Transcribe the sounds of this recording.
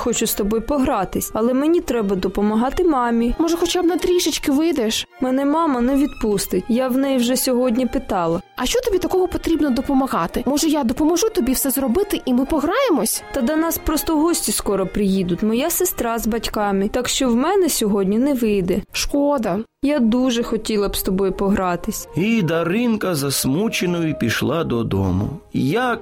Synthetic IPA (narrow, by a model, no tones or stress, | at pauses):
xɔt͡ʃʊst̪ɔbɔjpɔɦɾɑt̪ɪsʲɐlˠɛmenʲit̪ɾɛbɐd̪ɔpɔmɐɦɑt̪ɪmɑmʲimɔʒɛxɔt͡ʃabnɐt̪ɾʲiʃɪt͡ʃkɪʋɪjd̪ɛʃmɛnɛmɑmɐnɛʋʲid̪pust̪ɪtʲjawnɛjwʒɛsʲɔɦɔdʲnʲipɪt̪ɑlˠɐɐʃt͡ʃɔt̪ɔbʲit̪ɐkɔɦɔpɔt̪ɾʲibnɔd̪ɔpɔmɐɦɑt̪ɪmɔʒɛjad̪ɔpɔmɔʒut̪ɔbʲiwsɛzrɔbɪt̪ɪʔimɪpɔɦɾɑjemɔsʲt̪ɐd̪ɐnɑspɾɔst̪ɔɦɔsʲtʲiskɔɾɔpɾɪjid̪ʊt̪ʲmɔjasɪst̪ɾɑzbɐtʲkɑmɪt̪ɑkʃt͡ʃɔwmɛnɛsʲɔɦɔdʲnʲinɛʋɪjd̪ɛʃkɔd̪ɐ | jad̪uʒɛxɔtʲilˠɐbst̪ɔbɔjʊpɔɦɾɑt̪ɪsʲid̪ɐɾɪnkɐzɐsmut͡ʃenʊjʊipʲiʃlˠɑd̪ɔd̪ɔ̰mʊ̰jak̚